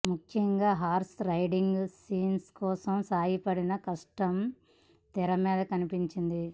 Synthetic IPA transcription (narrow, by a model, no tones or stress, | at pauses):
mukʰjɐŋɡaːɦaːɾsɾɐjɖiŋɡsiːnskɔːsɐmsaːjipɐɽinɐkɐʂʈɐm | t̪iɾɐmɛːd̪ɐkɐnipiɲt͡ʃind̪i